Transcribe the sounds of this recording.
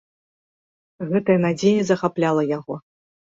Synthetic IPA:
ɣɛt̪ɐjɐnad͡zʲejɛzɐxaplʲalˠɐjaɣɔ

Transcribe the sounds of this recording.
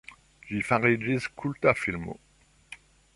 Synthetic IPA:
d͡ʒifãʁid͡ʒizkʰult̪afilmo̰

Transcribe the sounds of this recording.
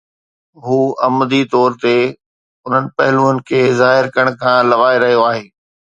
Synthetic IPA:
ɦuːɐmd̪it̪ɔːɾt̪e | ʊn̤ənɪ̆pɐɦɪluːənɪ̆kʰeːzaːɦɪɾkəəɽ̃kʰãːlɐʋaːɪɾɐɦijoaːɦeː

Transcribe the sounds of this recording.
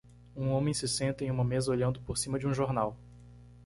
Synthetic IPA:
ũõmẽj̃sɪsẽnt̪ɐẽj̃ũmɐmezɐoʎɐ̃nd̪ʊpoɾsĩmɐd͡ʒɪũʒoɾnaw

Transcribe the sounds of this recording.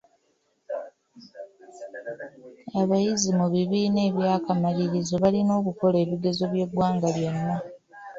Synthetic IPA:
aβajizimuβiβiːne̞ːβjaːkamaliɾizo̞βalino̞ːkuko̞le̞ːβiɡe̞zo̞βje̞ɡwaːŋɡaβjo̞nːa

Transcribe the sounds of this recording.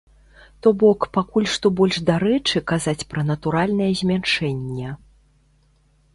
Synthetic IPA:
t̪ɔbɔkpakulʲʂt̪ɔbɔlʲʐd̪aɾɛt͡ʂɨkazat͡sʲpɾɐnɐt̪uɾalʲnɐjɛzʲmʲanʂɛnʲːɛ

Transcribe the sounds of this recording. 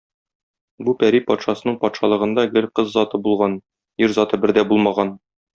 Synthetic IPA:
bupæɾipɒt̪ʃɑsɤ̆nɤɴpɒt̪ʃɑlˠɤ̆ʁɤ̆nd̪ɑɡɘlqɤzːɒt̪ɤbulˠʁɑn | iɾzɒt̪ɤbɘ̆ɾd̪æbulˠmɑʁɑn

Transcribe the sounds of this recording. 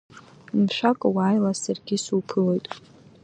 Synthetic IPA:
mʃʷᶣakʼwaːjlasarɡʲɪsupʰɨlo̞jtʼ

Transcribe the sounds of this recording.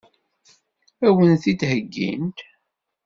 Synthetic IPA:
æwənθit̪həɡːḭnt̪

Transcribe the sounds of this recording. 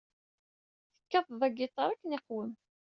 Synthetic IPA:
θə̥kːæðˤðˤæɡit̪ˤːɑɾˤækːnɪqwəm

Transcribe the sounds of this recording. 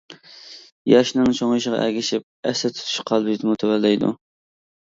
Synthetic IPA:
jɑʃnɨŋt͡ʃʰoŋiʃəʁɑ̰ʔɛ̰ɡʲiʃip̚ɛ̰sɛt̪ʰy̥t̪ʰy̥ʃqʰɑlˠbɨʒt̪ʰɪmut̪ʰɛwɛlːɛjd̪ṵ

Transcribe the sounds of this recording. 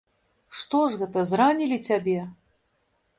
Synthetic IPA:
ʂt̪ɔʐɣɛt̪ɐzɾanʲilʲit͡sʲabʲɛ

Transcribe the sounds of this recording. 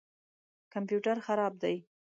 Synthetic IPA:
kampjuʈaɾxaɾɑb̚d̪aj

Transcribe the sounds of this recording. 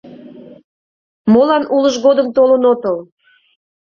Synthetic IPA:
molɑnʔuləʒɣod̪əmt̪olənot̪əl

